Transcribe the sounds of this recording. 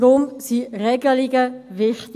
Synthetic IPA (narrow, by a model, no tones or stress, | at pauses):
ʁʊmsiʁɛɡəliɡəvɪχt